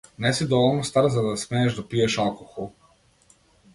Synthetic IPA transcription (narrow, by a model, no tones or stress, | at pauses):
nesid̪oolnost̪aɾzad̪asmeːeʒd̪apijeʃakuxu